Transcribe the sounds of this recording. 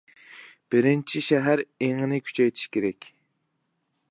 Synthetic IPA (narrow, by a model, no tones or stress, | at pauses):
b̥ɪɾɪnt͡ʃʰiʃɛɦæɾeŋɪnɪkʲʰy̥t͡ʃʰɛjt̪ʰi̥ʃkʲʰeɾɛkʲ